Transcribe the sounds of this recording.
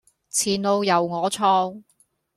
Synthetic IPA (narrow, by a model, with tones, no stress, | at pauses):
t͡sʰiː˨˩nlo˧wjɐ˨˩wŋɔː˨˧t͡sʰɔː˧ŋ